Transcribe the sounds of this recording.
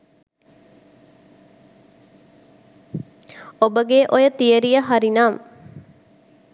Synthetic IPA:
obəɡeʔojət̪ijəɾijəɦaɾinaːm

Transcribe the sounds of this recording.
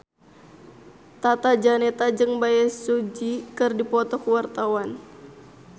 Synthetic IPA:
t̪at̪ad͡ʒanɛt̪ad͡ʒɨŋbajasud͡ʒikɨrdipɔt̪ɔkwart̪awan

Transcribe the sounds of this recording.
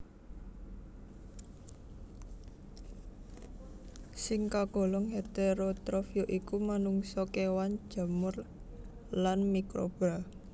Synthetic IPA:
sɪŋkaɡ̥ɔ̤lɔŋhet̪eɾot̪ɾofioʔikumanuŋsɔkewan̥ʒ̥a̤mʊr | lanmikɾo̰b̥ɾa

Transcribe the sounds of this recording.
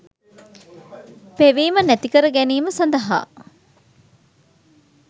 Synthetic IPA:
peʋiːmənæt̪ikəɾəɡæniːməsɐnd̪ɐɦa̰ː

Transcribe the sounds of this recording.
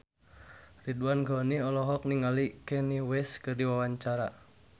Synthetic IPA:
riduanɡɔniɔlɔɦɔk̚niŋalikɛniwɛskɨrdiwawaɲt͡ʃaɾa

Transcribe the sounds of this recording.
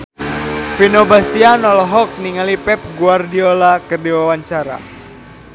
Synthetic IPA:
finɔbast̪ianɔlɔɦɔk̚niŋalipɛp̚ɡuardiolakərdiwawaɲt͡ʃaɾa̰

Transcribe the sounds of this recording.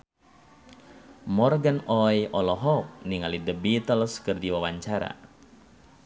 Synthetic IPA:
mɔrɡanɔjʔɔlɔɦɔk̚niŋalidəbit̪əlskərdiwawaɲt͡ʃaɾa̰

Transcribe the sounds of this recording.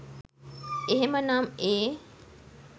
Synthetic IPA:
eɦemənaːmeː

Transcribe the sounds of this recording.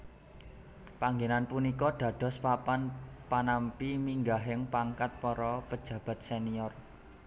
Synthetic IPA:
paŋɡenanpunikɔɖ̥ä̤ɖ̥ɔ̤spapanpanampimiŋɡaɦɪŋpaŋkat̪̚pɔɾɔpəd̥d͡ʒ̥ä̤b̥a̤t̪̚seniɔr

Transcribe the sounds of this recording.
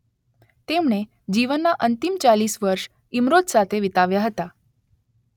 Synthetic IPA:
t̪emɳe | d͡ʒiʋənːaʔənt̪imt͡ʃalisʋəɾʃ | imɾot̪sat̪ʰeʋit̪aʋjaɦət̪a

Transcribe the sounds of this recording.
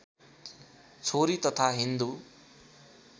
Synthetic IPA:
t͡sʰoɾit̪ʌt̪ʰaɦind̪u

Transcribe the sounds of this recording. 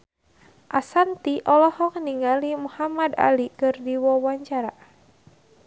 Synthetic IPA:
ʔasant̪iʔɔlɔhɔk̚niŋalimuhamad̪a̰likɨrdiwɔwaɲt͡ʃaɾa

